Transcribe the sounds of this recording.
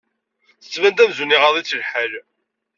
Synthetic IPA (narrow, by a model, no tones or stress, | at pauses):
θə̥sːvænd̪æmzuniʁɑðˤit͡sːlħæl